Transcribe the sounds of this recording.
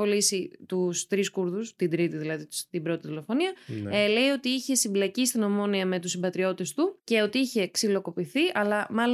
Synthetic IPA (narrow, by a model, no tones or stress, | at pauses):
o̞lisit̪ust̪ɾiskuɾðust̪ind̪ɾit̪iðilɐði̥t̪ibɾo̞t̪iðilo̞fo̞niɐele̞io̞t̪iiçe̞simblɐcist̪ino̞mo̞niɐme̞t̪usimbɐt̪ɾio̞t̪est̪uce̞o̞t̪iiçe̞ksilo̞ko̞piθiʔɐlɐmɐl